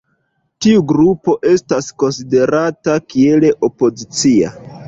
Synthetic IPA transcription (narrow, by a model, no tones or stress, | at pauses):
tiuɡɾupo̞ʔe̞stasko̞nside̞ɾatakie̞le̞ʔo̞po̞zit͡sia̰